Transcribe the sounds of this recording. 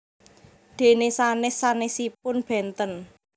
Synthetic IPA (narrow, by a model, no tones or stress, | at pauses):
d̪̥e̤nesanɪsanɪsipʊnb̥ɛ̤nt̪ən